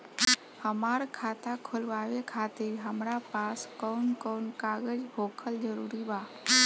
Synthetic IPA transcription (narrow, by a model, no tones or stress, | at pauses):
həmaɾkʰat̪akʰolʋaʋekʰat̪ɪɾɦəmɾapaskəʊnkənkaɡəd͡ʒɦokʰəld͡ʒəɾuːɾiba